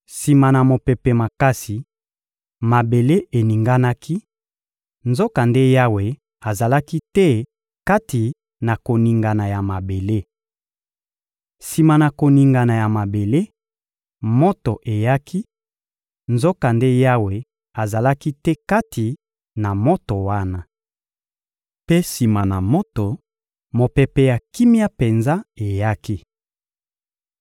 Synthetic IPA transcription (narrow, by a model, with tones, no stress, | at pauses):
si˨ma˨na˨mo˨pe˨pɛ˨ma˨ka˦si˨ | ma˨be˨le˦e˨ni˨ŋɡa˦na˦kʰi˦ | nzo˦ka˨nde˦ja˦we˨ | a˨za˨la˦ki˦tɛ˦ | ka˦ti˨ | na˨ko˨ni˨ŋɡa˨na˨ja˨ma˨be˨le˦ | si˨ma˨na˨ko˨ni˨ŋɡa˨na˨ja˨ma˨be˨le˦ | mo˦to˨ʔe˨ja˦kʰi˦ | nzo˦ka˨nde˦ja˦we˨ | a˨za˨la˦ki˦tɛ˦ka˦tʰi˨ | na˨mo˦to˨wa˦na˦ | pe˦si˨ma˨na˨mo˦to˨ | mo˨pe˨pɛ˨ja˨ki˦mja˦pe˨nza˦e˨ja˦ki˦